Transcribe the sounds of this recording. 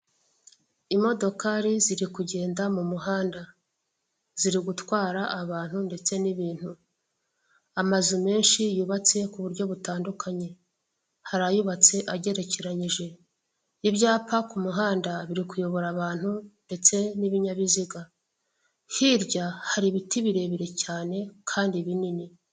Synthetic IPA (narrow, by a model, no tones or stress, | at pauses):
imo̞do̞kaɾiziɾikuɟe̞ːndamumuɦaːnda | z̥iɾiɡutwaːɾaʔaβaːn̥hunde̞t͡se̞niβiːn̥hu | amazume̞ːnʃijuβat͡se̞kuβuɾɟo̞βutaːndukaɲe̞ | haɾajuβat͡se̞ʔaɟe̞ɾe̞ce̞ɾaɲiʒe̞ | iβɟaːpakumuɦaːndaβiɾikujo̞βo̞ɾaβaːn̥hunde̞t͡se̞niβiɲaβiziɡa | hiɾɟahaɾiβitiβiɾe̞βiɾe̞caːne̞kʰaːndiβinini